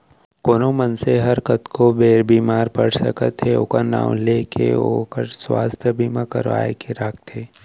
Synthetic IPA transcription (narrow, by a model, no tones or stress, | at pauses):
koːnomənseɦɐɾkət̪kobeːɾbiːmaːɾpəɽsə̰kət̪eo̰ːkana̰ːwleːkḛokəɾswa̰ːst̪ʰjəbʱiːmakə̰ɾʋa̰ːḛkeɾak̚ʰt̪ʰeː